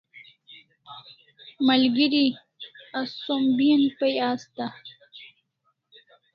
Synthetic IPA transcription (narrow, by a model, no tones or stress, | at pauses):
mɐlɡiɾi | assombinpɐjaːst̪a